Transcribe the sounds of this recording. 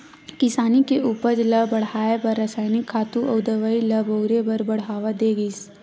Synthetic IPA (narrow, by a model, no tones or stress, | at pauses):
kɪsaːnikeuːpəɾd͡ʒləbəɽ̤aːebəɾːəsaːɪnɪkʰːaːt̪ũʔɐʊd̪əʋailəbəʊɾebɐɾbɐɽ̤ɦaːʋad̪eːɡəs